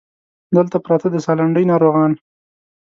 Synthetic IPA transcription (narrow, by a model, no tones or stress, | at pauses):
d̪əlt̪apɾɑt̪ad̪əsɑlaɳɖəjnɑɾoɣɑn